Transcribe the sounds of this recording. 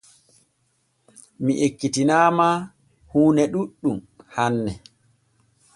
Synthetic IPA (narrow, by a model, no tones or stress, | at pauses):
miʔekːitinaːma | huːnɛɗuɗːum | hanːɛ